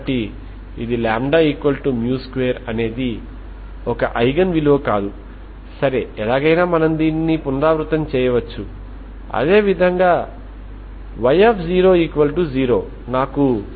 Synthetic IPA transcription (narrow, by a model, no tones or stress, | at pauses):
ʈi | id̪ilaːmɖaːiːkʋɐlʈumjuːskʋejɐɾɐne̞ːd̪i | ɔkɐʔɐjɡɐnʋiloːkaːd̪u | sɐɾeɛlaːɡɐjnaːmɐnɐmd̪iːnːipunɾaːʋɾut̪ɐmt͡ʃɛːjɐʋɐt͡ʃːu | ɐ̰d̪e̞ːʋid̪ʱɐŋɡaː | ʋɐjepʰziːɾo̞ːiːkuʋɐlʈud͡ʒiːɾo̞ː | naːku